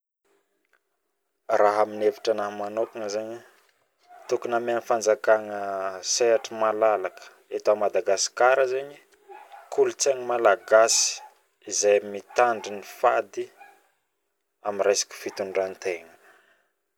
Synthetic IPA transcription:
raɦaminevi̥ʈ͡ʂanaɦmanokiŋəzeɲi | t̪ukunamanfand͡zakaŋəseaʈ͡ʂimalalakə̥ | et̪amad̪aɡasi̥kaɾəzeɲi | kulut͡seŋəmalaɡasi̥ | izajmit̪aɳɖ͡ʐinifa̰d̪i | amiresḁkə̥fit̪uɳɖ͡ʐant̪eŋə̥

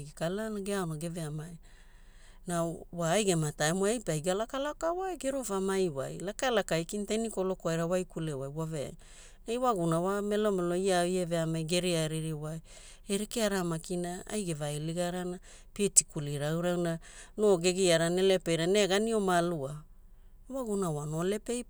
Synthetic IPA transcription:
ɡikalanaɡeaonaɡe̞veamaj | nawaːjɡe̞mataemoajpajɡalakalakawajɡeɾofamajwa̰jlakaelakajkintenikolo̞koajɾawajkulewajwavea̰j | najwaɡunawame̞lomelo̞iaieveamajɡe̞ɾiaeɾiɾiwaj | eɾekeaɾamakinaa̰jɡevaeliɡaɾana | pietikuliɾawɾawna | no̞ɡe̞ɡiaɾanelepejɾaneɡanio̞malua | waɡunawano̞le̞pejp

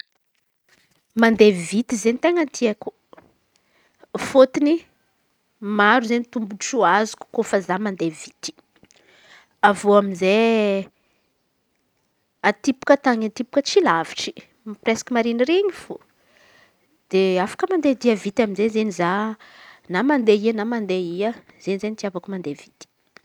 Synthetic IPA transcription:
mand̪evit̪izenit̪eŋənt̪ʰiaku̥ | fot̪ini | maɾuzenit̪umbuʈ͡ʂuazu̥ku̥kofəzamand̪evit̪i̥ | avoaminze | at̪ipu̥kət̪aŋant̪ipu̥kət͡silaviʈ͡ʂi̥ | mipresḁkimaɾiniɾeɲifo | d̪̥eafḁkəmand̪ed̪iavit̪aminzezeniza | namand̪eiənamand̪eiə | z̥enizenit̪iavakumand̪evit̪i̥

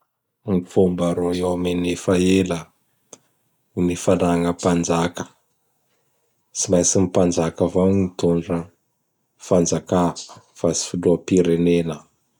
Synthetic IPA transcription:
mifumbaɾoewamenefaelə | imifanaŋəpand͡ʒakə̥ | t͡simajsimipand͡ʒakəvawnit̪oɳɖ͡ʐə | fand͡zaka | fasi̥fud̪uapiɾenenə

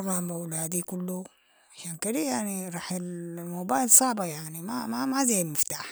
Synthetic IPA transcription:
ɣˤɑːmawlaːd̪ikʊlːu | ʕaʃaːnkadijaʕniɾˤɑːħɪlmoːbaːjlsˤɑʕbajaʕnimamamazajlmɪft̪aːħ

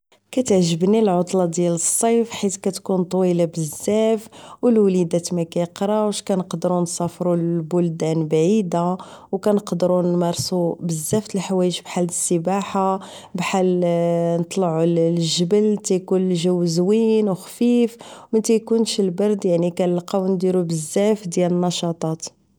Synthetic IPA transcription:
kæt̪əʕʒəbnilʕot̪ˤlɑd̪jæləsˤːɑjfħit̪kæt̪kunt̪ˤwilabəzːæfwəlwlid̪æt̪mækæjəqɾˤɑwʃkænəqd̪ɾunsˤɑfɾulbʊld̪ænbaʕid̪a | wkænəqd̪ɾunmɑɾˤsubəzːæft̪əlħwæjəʃbħalːəsːəbaħa | bħalnət̪ˤlʕulʒəbəlt̪æjkunlʒəwzwinwxfifmæt̪æjkunʃəlbɑɾˤd̪jaʕnikænəlqɑwnd̪iɾubəzːæfd̪jælənːɑʃɑt̪ˤɑt̪

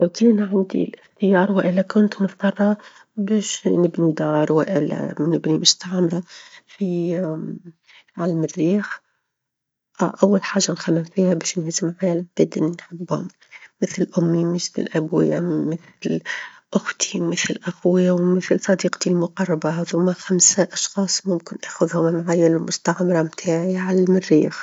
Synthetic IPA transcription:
ʔʊt̪iːnʕand̪ḭlɪxt̪ɪjɑːɾˤwɪʔɪlːakʊnt̪nɪft̪ˤɑɾˤhɑ | beːʃnɪbnid̪ɑːɾˤwɪʔɪla̰nɪbnimʊst̪aʕmɾafi | ʕalmɪrːiːx | ʔawːalħaːʒːanxamːɪmfiːhabeːʃnhzɪmʕaːlb̥ɪd̪ɪnnħɪbːhʊ̰mː | ɪθlʔʊmːimɪθlɪ̰lʔabwɪ̰jamɪθ | lʔʊxt̪ʰi̥mɪθlʔaxwɪjawmɪθlsˤɑd̪iːqt̪ilmʊqɑrˤːɑbahaðʊmːaxamsaʔɑʃxɑːsˤmʊmkɪnʔaːxʊðhʊmmaʕajːallmʊst̪aʕamɾˤɑmt̪ʰaːʕiʕalːmɪrːiːx

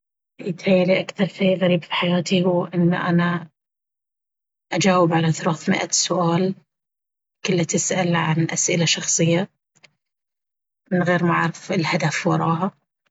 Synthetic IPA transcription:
ʔiːt̪hajːaliʔakθɑɾˤfiːɣaɾiːbfi̥ħajaːt̪ihuːʔɪnːaʔana | ʔad͡ʒaːwɪbʕalaθʊɾɑːθmɪ̰ʔasʊʔaːl | kʊlːat̪ɪsʔalʕanʔasʔɪlaʃɑxsˤɨjːa | mɪnɣeːɾmaʕɾɪfɪlhad̪afwɑɾˤɑːɦa

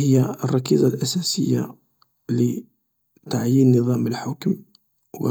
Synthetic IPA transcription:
həjːarˤːɑkizˤalʔæsæsəjːa̰ | lə | t̪aʕjinnːəðˤɑməlħʊkm | wə̰

